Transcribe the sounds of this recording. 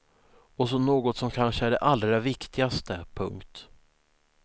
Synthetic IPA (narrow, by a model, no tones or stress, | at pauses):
ɔs̬ɔnoːɡɔt̪sɔmkʰanʂəæɖɛ̰ʔalɾavɪkt̪ɪɡast̪əpʰɵŋkt̪